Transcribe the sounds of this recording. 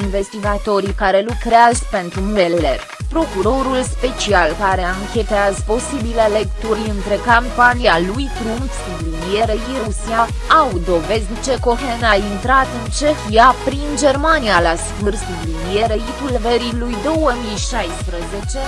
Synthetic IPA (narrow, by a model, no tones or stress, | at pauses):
inve̞st̪iɡat̪o̞ɾikaɾe̞lukɾeazpe̞nt̪ɾumujeler | pɾo̞kuɾo̞ɾulspe̞t͡ʃialkaɾe̞aŋkʲe̞t̪eazəpo̞sibile̞lekt̪uɾʲɨnt̪ɾekampanialujpɾunsud̪linijeɾeiɾusia | awd̪o̞ve̞zd̪ʲt͡ʃe̞ko̞ɦenaint̪ɾat̪ɨnt͡ʃe̞xiapɾind͡ʒe̞rmanijalasvɨrsud̪linijeɾeit̪ulveɾilujd̪o̞wəmijʃajspɾəze̞t͡ʃe̞